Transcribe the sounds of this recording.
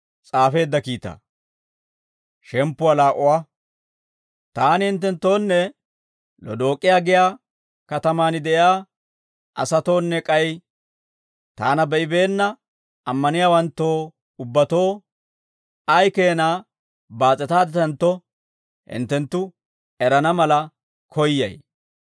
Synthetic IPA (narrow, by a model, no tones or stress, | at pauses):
t͡sʼaːfe̞ːd̪ːɐkiːt̪a̰ː | ʃɛmpːʊɐlaːʔʊwaː | t̪aːnɪhɪnt̪̬ːɛnt̪ːo̞ːnːɛ | lɔ̰d̪o̞ːkʼːɪjaːɡɪjaː | kɐt̪ɐmaːnɪd̪ɛʔjaː | ʔɐsɐt̪o̞ːnːɛkʼɐj | t̪aːnɐbɛʔɪbe̞ːnːɐ | ɐmːɐnɪjaːwɐnt̪ːo̞ː | ʊbːɐt̪o̞ː | ɐjkeːnaː | baːt͡sʼːɛt̪aːd̪ɛt̪ɐnt̪ːɔ | hɪ̰nt̪ːɛnt̪ːʊ | ɛɾɐnɐmɐlɐ | kʰɔjːɐ̰j